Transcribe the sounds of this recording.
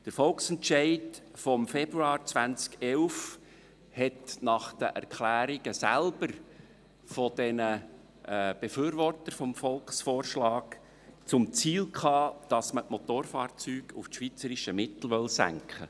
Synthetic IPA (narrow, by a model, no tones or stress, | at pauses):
d̥əɾfɔlksɛnt͡ʃɛɪdfɔmfɛb̥ɾuɑːɾt͡svænt͡skɛlf | hɛtnɑχd̥ə̰ʔæ̰ɾkχlæːɾiɡ̥əsælb̥əɾ | fɔd̥ɛnə | b̥efyːɾvɔrtəɾfɔmfɔlksfoːɾʃlɑːk | t͡sʊmt͡siːlkʰχɑːd̥ɑsmətmɔt̪oːrfɑːɾt͡syːɡ̥ufʃʋiːt͡səɾiʃəmɪtl̩ʋœlsæ̰ŋkχə̰